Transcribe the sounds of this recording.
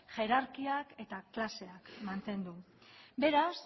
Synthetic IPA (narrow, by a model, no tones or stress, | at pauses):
ʝe̞ɾaɾkiake̞t̪aklase̞akmant̪e̞nd̪u | be̞ɾas